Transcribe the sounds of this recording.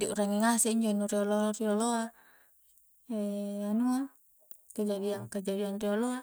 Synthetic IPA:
diʔṵɾaŋiŋasɛiɲd͡ʒonuɾiolorioloa | ɛanua | kad͡ʒadiaŋkad͡ʒadianrioloa

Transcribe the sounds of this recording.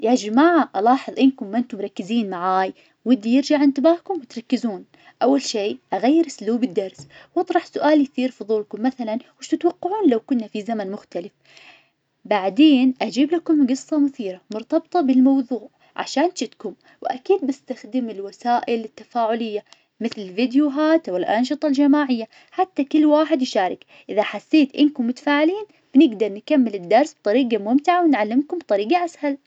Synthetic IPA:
jad͡ʒamaːʕaʔɑlɑːħɨðˤʔɪnkʊmːʔɪnt̪ʊmɾˤɑkːɪziːnmaʕaːj | wɪd̪ːijɪɾd͡ʒaʕʔɪnt̪ɪbaːhkʊmwɪt̪ɾˤɑkːɪzuːn | ʔawːalʃeːʔaɣajːɪɾʔɪsluːbɪd̪ːɑɾˤswʔɑt̪ˤɾˤɑħsʊʔaːljθiːɾfʊðˤuːlkʊmːaθalanwɪʃt̪ɪt̪wɑqːɑʕuːnlawkʊnːafizamanmʊxt̪alɪf | baʕd̪eːnʔad͡ʒiːblakʊmɡɨsˤːɑmʊθiːɾamʊɾt̪ɑbt̪ˤɑbɪlmɑwðˤuːʕ | ʕa̰ʃaːnt͡ʃɪt̪kʊm | wʔakiːd̪̚bɪst̪axd̪ɪmɪlwasaːʔɪlɪt̪ːafaːʕʊlɪjːa | mɪθlɪlvɪd̪juːɦaːt̪ʔwɪlʔa̰nʃ̬ɨt̪ˤɑld͡ʒamaːʕɪjːa | ħat̪ːakɪlːwaːħɪd̪jʃaːɾˤɪ̰k | ʔɪðaħasːeːt̪ʔɪnkʊmːʊt̪ḁfaːʕɪliːn | b̥ɪnɪɡd̪ɑɾˤnkamːɪlɪd̪ːɑɾˤsb̥̚t̪ˤɑɾiːɡamʊmt̪ɪʕawɪnʕalːɪmkʊmbt̪ˤɑɾiːɡaʔashal

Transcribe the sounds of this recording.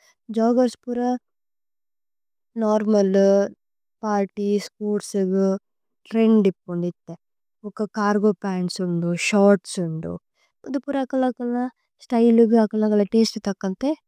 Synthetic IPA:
d͡ʒɔːɡɐɾspuɾɐ | naːɾmɐl | paːɾʈispoːɾʈsuɡu | ʈɾeɳɖipːund̪it̪ːe | ɔkːɐkaːɾɡoːpaːnsund̪uʃaːɾʈsund̪ṵ | ud̪upuɾɐkɐlɐkɐlɐ | sʈɐjluɡuɐkːɐlɐkɐlɐʈeːsʈt̪ɐkːɐnt̪e

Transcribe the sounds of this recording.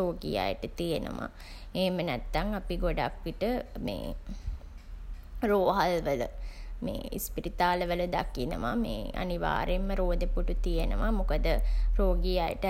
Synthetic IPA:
oːɡija̰jəʈət̪ijenə̰ʋa̰ | eːmənæt̪ːaŋapiɡoɖa̰kʋiʈəmḛː | ɾoːɦalʋələ̰mḛːḭspiɾit̪aːləʋələd̪akinə̰ʋamḛːa̰niʋa̰ːɾemːəɾoːd̪epuʈut̪ijenəʋamukəd̪əɾoːɡijajə̰ʈə

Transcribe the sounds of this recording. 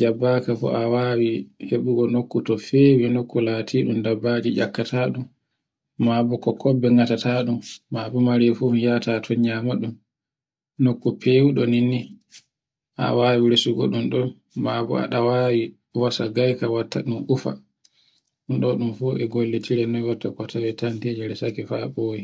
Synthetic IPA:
d͡ʒabːakafɔ̰ʔawaːwiheɓuɡɔnokːutɔfeːwinokːulaːtʰiɗumdabːad͡ʒid͡ʒa̰kːatʰaːɗumː | abukɔkʰɔbːɛŋɡatataɗumːabumaɾɛfumijatatʰɔɲamaɗum | nokːupʰewuɗɔninːi | ʔa̰waːwiɾesuɡɔ̰ɗumɗɔn | mabṵa̰ɗawawi | wasaɡajkawatːaɗumʔufa̰ | ɗunɗɔɗumfuːʔɛɡolːetʰiɾɛnɔjwatːakɔtʰawɛtantid͡ʒɛɾɛsakɛfaboji

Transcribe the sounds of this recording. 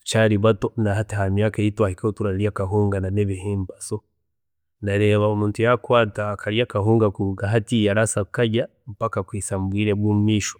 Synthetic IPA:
t͡ʃaɾiβatonahateɦamjaːkaitwahikaotuɾaljakaɦoŋɡananeβihembaso | naɾeβaomuːntujakwaːtakʰaɾjakaɦoːŋɡakuuɡaɦatijaɾasakaɟa | mpakakwisambwiɾeβummiʃo̥

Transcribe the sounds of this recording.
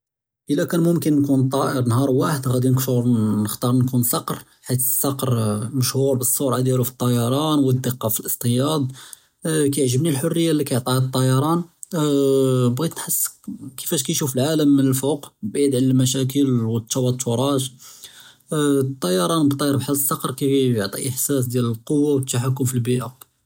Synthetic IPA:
ʔəlækænmʊmkənːkunt̪ˤɑʔəɾnhɑɾˤwaħəd̪ɣæd̪inkʃuɾnəxt̪ɑɾˤnkunsɑqɾ | ħit̪sˤɑqɾməʃhuɾˤbəsˤːoɾʕad̪jiɾufi̥t̪ˤːɑjɑɾˤɑnwəd̪ːəqːɑfilʔəst̪ˤəjɑd̪ˤ | kæjʕʒəbnilħorːəjːalːikajʕt̪ˤɑht̪ˤːɑjɑɾˤɑn | bɣit̪nħəsːkəfæʃkæjʃufəlʕaləmːənəlfoqbid̪ʕəlmæʃ̬æk̬əlwət̪ːʃɑwɑt̪ːɾˤɑʒ | t̪ˤːɑjɑɾˤɑnbət̪ˤːɑjɑɾˤbħasˤːɑqɾˤkæjoʕt̪ˤḭʔəħsæs̬d̪jæləlqowːawt̪ːaħakːʊmfilbiʔa

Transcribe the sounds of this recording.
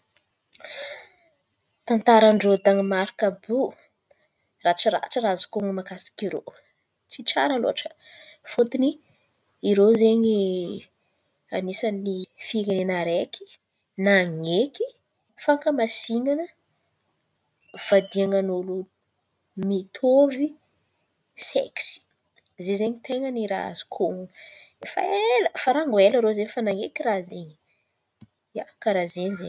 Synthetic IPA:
t̪ant̪aɾaɳɖ͡ʐod̪aŋimaɾikabu | rat͡siɾa̰ʈ͡ʂərazu̥koŋimakasi̥kiɾo̰ | t͡siʈ͡ʂa̰ɾəlo̰aʈ͡ʂə̥fut̪ini | iɾozeɲi | a̰nisanifiŋenenaɾeki̥ | naŋeki | faŋkəmasiŋanə | v̥ad̪iaŋanolu | mit̪ʰovi | sḛksi̥ | zezeɲit̪ʰeŋəniɾa̰zu̥kʰo | fa̰eləfaɾaŋɡweləɾozeɲifanaŋekiɾazeɲi | jakaɾazeɲizḛ

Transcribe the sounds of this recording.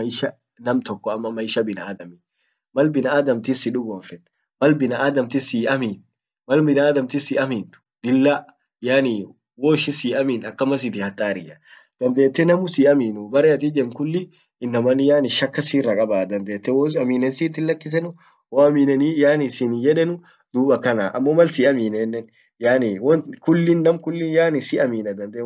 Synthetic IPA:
ɐɪʃɐ | nɐmt̪ɔkːɔɐmːɐmːɐɪʃɐbɪnɐaːd̪ɐmin | mɐlbɪnɐaːd̪ɐmt̪ɪsɪᶑʊɡoːfɛn | mɐlbɪnɐaːd̪ɐmt̪ɪsiːʔɐmiːn | mɐlbɪnaːd̪ɐmt̪ɪsiʔɐmiːnt̪ʊ̥d̪ɪlːa | jani | woːɪʃɪsiːʔɐmiːnɐkːɐmɐs̬it̪ɪhɐt̪ʼːaːɾɪjɐ | d̪̥ɐnd̪eːt̪ːɛnɐmʊsiːʔɐmiːnʊbɐɾɛɐt̪ɪd͡ʒɛmkʊlːɪ | ɪnːɐmɐnːɪjaːnɪʃɐkːɐsiːrːɐkʼɐbaːd̪ɐnd̪eːt̪ːɛwosɐmiːnɛnsiːt̪ːɪnlɐkːɪs̬ɛnʊ | woɐmiːnɛnijaːnɪsɪnjɛᶑɛnʊ | d̪̥uːbɐkɐnaʔɐmːomɐlsiːɐmiːnɛnːɛn | jaːniwɔkʊlːɪnːɐmkʊlːɪnjaːnɪsɪʔɐmiːnɐd̪ɐnd̪e

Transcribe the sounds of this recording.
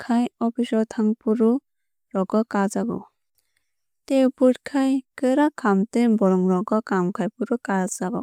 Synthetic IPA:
kʰajɔpʰisɔtʰaŋpuɾu | ɾɔɡɔkazaɡɔ̰ | tewput̚kʰajkɯɾakʰamtebɔɾɔŋɾɔɡɔkamkʰajpuɾukazaɡɔ̰

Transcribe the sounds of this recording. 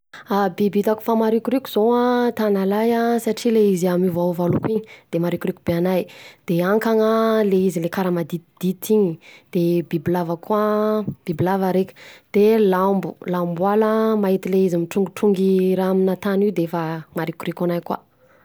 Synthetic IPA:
abibit̪aku̥famaɾikuɾikʲuzoat̪analajasaʈ͡ʂileiziamivauvalukwiɲi̥d̪̥emaɾikuɾikubeanajd̪̥eaŋkaŋəleizilekaɾəmad̪id̪̥it̪iɲid̪̥ebibilavakʰuab̥ibilavaɾekʲd̪̥elambulambualəmaɦit̪ileizimiʈ͡ʂuŋɡuʈ͡ʂuŋɡiɾaaminat̪anid̪eefamaɾikuɾikanajkwa̰

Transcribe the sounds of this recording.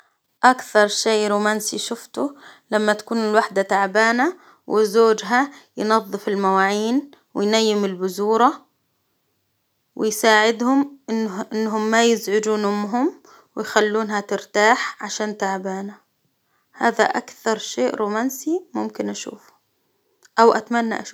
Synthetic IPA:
ʔakθɑɾˤʃeːʔɾuːmaːnsiʃʊft̪ʊlamːat̪ḁkuːnɪlwaħd̪at̪aʕbaːna | wʔɪzoːd͡ʒɦajnɑðˤːɨfɪlmawaːʕiːn | wɪ̰jnajːɪmɪlbʊzuːɾˤɑ | wɪjsaːʕɪd̪hʊmʔɪnːʔɪnːɦʊmːajɪzʕʊd͡ʒuːnʊmɦʊm | wɪjxalːuːnhat̪ɪɾt̪aːħʕaʃaːnt̪aʕbaːna | haːða̰ʔakθɑɾˤʃeːʔɾuːmaːnsimʊmkɪnʔaʃṵːfʊ̥ | ʔawʔa̰t̪manːa̰ʔaʃuː

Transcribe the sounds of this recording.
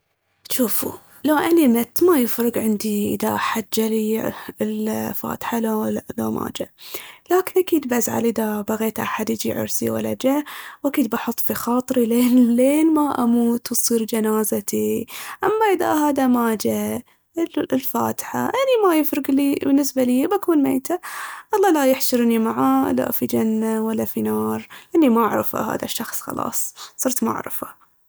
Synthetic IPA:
ʃuːfṵ | lawʔanimɪt̪ːmajɪfɾɨɡʕɪnd̪iʔɪ̰ðaʔaħad̪̚d͡ʒːaliɪlfa̰ːt̪ħalloma̰ːd͡ʒalaːkɪnʔakiːd̪bazʕa̰lʔɪðabaɣeːt̪ʔa̰ħad̪jɪd͡ʒḭʕʊ̰ɾsḭwa̰lːa̰d͡ʒawʔakiːd̪̚baħʊt̪ˤːfixɑːt̪ˤɾileːnleːnmaʔamuːt̪wsˤiːɾd͡ʒanaːzat̪iʔamːaʔɪða̰ɦaːðamaːd͡ʒa | llfa̰ːt̪ħa̰ʔanimajɪfɾɪɡlibɪnːɪsbaliːbakuːnmḛːt̪aʔɑlˤːɑːlajɪħʃɨɾnimaʕaːla̰fid͡ʒanːawalːafinɑːɾˤʔanːimaʔa̰ʕɾɪfa̰ha̰ːða̰ʃːɑxsˤxɑ̰lɑ̰ːsˤsˤɨɾt̪ma̰ʕɾɪ̰fa

